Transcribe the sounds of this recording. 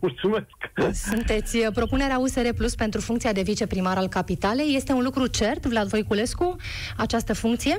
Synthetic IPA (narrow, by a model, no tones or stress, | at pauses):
mult̪sumesksunt̪e̞t̪sʲpɾo̞pune̞ɾeause̞ɾe̞pluspe̞nt̪ɾufuŋkt̪ijad̪e̞vit͡ʃe̞pɾimaɾalkapit̪ale̞jːe̞st̪e̞unlukɾut͡ʃe̞rt̪vlad̪vo̞jkule̞sku | at͡ʃast̪əfuŋk̚t̪sije̞